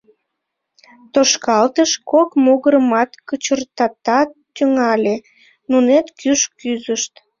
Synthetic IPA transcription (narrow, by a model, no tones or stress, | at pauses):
t̪oʃkɑlt̪əʃkokmoɣəɾəmɑt̪kət͡ɕərt̪ɑt̪ɑt̪ːyŋɑlʲe | nunet̪kyʃkyzəʃt̪